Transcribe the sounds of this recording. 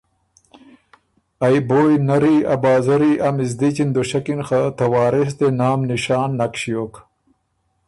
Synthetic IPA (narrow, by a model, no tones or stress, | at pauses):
ajboːjnɐɾiɐbɑːzɐɾiʔɐmɪz̬d̪it͡ɕind̪oʃɐkinxat̪ɐwɑːɾɪs̬d̪enaːmniʃaːnːakɕijok